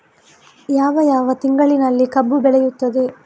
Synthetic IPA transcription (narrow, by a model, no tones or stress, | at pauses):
jaːʋɐjaːʋɐt̪iŋɡɐɭinɐlːikɐbːubɛɭɛjut̪ːɐd̪e̞